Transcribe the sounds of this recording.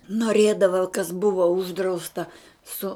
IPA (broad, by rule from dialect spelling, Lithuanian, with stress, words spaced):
noːˈrʲeːdɐʋɐ kɐs ˈbʊʋɐ ˈʊʒdrɐʊstɐ ˈsʊ